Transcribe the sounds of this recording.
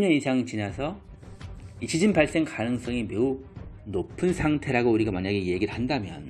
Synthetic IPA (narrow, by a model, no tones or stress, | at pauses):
ɲʌnisʰaŋit͡ɕinasʰʌ | it͡ɕʰid͡ʑinbaɭs͈e̞ŋkanɯŋs͈ʌŋime̞unopʰɯnsʰaŋtʰe̞ɾaɡouɾiɡamaɲaɡe̞je̞ɡiɾhandamjʌ̰n